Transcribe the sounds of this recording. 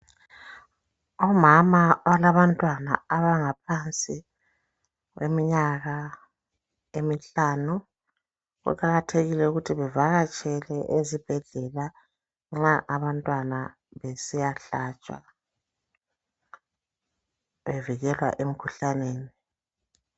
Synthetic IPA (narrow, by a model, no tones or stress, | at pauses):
ɔmamawalaβantʼwana̰aβaŋapʰant͡sʼi | ɣwemiɲaɣa | emiɬaːnu | ɣṵkʰaɣatʰeɣilɛuɣutʰiβɛvaɣat͡ʃʼɛlɛʔezib̥ʱɛɮɛla | ŋ͡ǁaʔaβantʼwana | βesijaɬaːt͡ʃʼa̰ | βeviɣɛlwa̰ʔem̩kʰuɬaneːni